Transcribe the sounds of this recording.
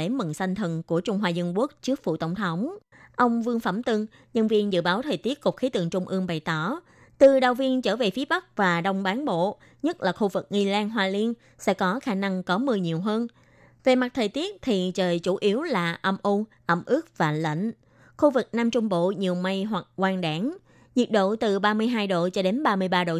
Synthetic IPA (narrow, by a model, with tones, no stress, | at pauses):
e˧˩mɨ˨˩ŋsa˧jŋ̟t̪ʰə˨˩nku˧˩ət͡ɕʊ˧ŋ͡mɦwaː˧zə˧nku˦˥ək̚t͡ɕɨ˦˥ək̚vṵ˧˨˩t̪ə̰˧˩wŋ͡mt̪ʰə˨˦wŋ͡m | ʔə˧wŋ͡mvɨ˧əŋfə˧˩mt̪ɨ˧ŋ | ɲə˧nvi˧ənzɨ̰˧˨ɓaː˨˦wt̪ʰəː˨˩jt̪i˦˥ət̚kʊ˨˩k͡p̚xi˨˦t̪ɨ̰˨˩əŋt͡ɕʊ˧ŋ͡mʔɨ˧əŋɓa˨˩jt̪ɔ˧˩ | t̪ɨ˨˩ɗa˨˩wvi˧ənt͡ɕəː˧˩ve˨˩fi˨˦əɓa˦˥k̚vaː˨˩ɗə˧wŋ͡mɓaː˨˦nɓo̰˧˨ | ɲə˦˥t̚laː˨˩xu˧vɨ˨˩k̚ŋi˧laː˧nɦwaː˧li˧ən | sɛ̰˧˥kɔ˨˦xaː˧na˧ŋkɔ˨˦mɨ˧əjɲi˨˩əwɦəː˧n | ve˨˩ma˨˩t̚t̪ʰəː˨˩jt̪i˦˥ət̚t̪ʰi˨˩t͡ɕəː˨˩jt͡ɕu˧˩ʔi˨˦əwlaː˨˩ʔə˧mʔo˧nʔə˧˩mʔɨ˦˥ək̚vaː˨˩lə̰˧˨ŋ̟ | xu˧vɨ˨˩k̚naː˧mt͡ɕʊ˧ŋ͡mɓo̰˧˨ɲi˨˩əwma˧jɦwa˨˩k̚kwaː˧ŋɗaː˧˩˦ŋ | zi˨˩t̚ɗo̰˧˨t̪ɨ˨˩ɓaː˧mɨ˧əjɦaː˧jɗo̰˧˨t͡ɕɔ˧ɗe˨˦nɓaː˧mɨ˧əjɓaː˧ɗo̰˧˨